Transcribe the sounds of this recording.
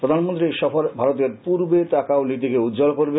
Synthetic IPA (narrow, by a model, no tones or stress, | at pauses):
pɾod̪ʱanmont̪ɾiʃɔfoɾbʱaɾot̪̬eɾpuɾbetakaonit̪̬ikeud̪d͡ʑolkoɾbe